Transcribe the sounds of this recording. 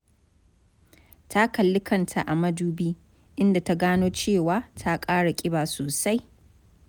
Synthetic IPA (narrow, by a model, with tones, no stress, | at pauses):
tʰa˦kɐ˨lːɪ˦kʰɐ˨ntʰa˨ʔa˨mɐ˦duː˦biː˦ | ʔɪ˦nda˨ta˦ɡaː˦noː˦t͡ʃeː˦˨waː˦tʰa˦kʼaː˦ɽa˨kʲʼɪ˦baː˨soː˨sa˦j